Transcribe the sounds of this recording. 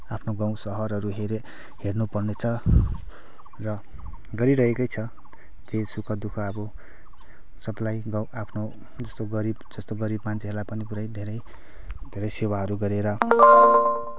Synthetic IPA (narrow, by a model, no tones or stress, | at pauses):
apʰnoɡaw̃sʌɦʌɾɦʌɾuɦeɾe | hernupʌrnet͡sʰʌ | rʌ | ɡʌɾiɾʌɦekʌjt͡sʰʌ | d͡zesukʰʌd̪ukʰʌːbʌ | sʌblajɡawapʰno | d͡zʌst̪oɡʌɾibd͡zʌst̪oɡʌɾibmant͡sɦerlajpʌnipuɾajd̪ʱeɾʌj | d̪ʱeɾʌjsewaɦʌɾuɡʌɾeɾʌ